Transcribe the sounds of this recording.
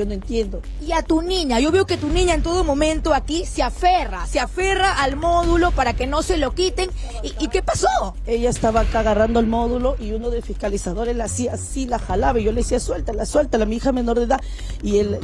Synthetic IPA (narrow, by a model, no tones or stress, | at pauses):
onoe̞nt̪je̞nd̪o | iat̪unĩɲaʝo̞βe̞o̞ke̞t̪unĩɲaent̪̬o̞ðo̞mõ̞mẽ̞nt̪o̞akiseaferaseafe̞raʔalmo̞ðulo̞paɾake̞no̞se̞lo̞kit̪e̞ŋ | iʔike̞paso | e̞ʝaest̪aβaːkaːɣarand̪oelmo̞ðulo̞ʔiuno̞ðefihkalisaðo̞ɾeslasiasilaxalaβaʝo̞leesiaswe̞lt̪alaswelt̪alamiixame̞no̞ɾðeða | iel